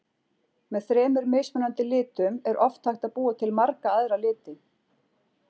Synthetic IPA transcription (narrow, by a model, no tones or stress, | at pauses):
mɛðθɾɛːmʏɾmeːjsmʏnant̪ɪlɪːt̪ʏmɛɾʔɔft̪ʰajxt̪aðpuːat̪ʰɪlmaɾkaaðɾalɪːt̪ɪ